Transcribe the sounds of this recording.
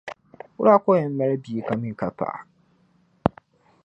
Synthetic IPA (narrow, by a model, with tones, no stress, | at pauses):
ʊ˦ɾa˦kɔ˦jɛ˦m̩˦ma˦lbi˨i˨ka˨mĩ˦ŋ˨ka˨pa̰˨a̰˨